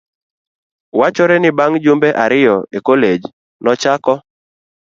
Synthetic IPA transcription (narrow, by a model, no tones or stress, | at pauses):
wat͡ʃoɾɛnɪbaŋd͡ʒumbeʔaɾɪjɔekoled͡ʒ | nɔt͡ʃakɔ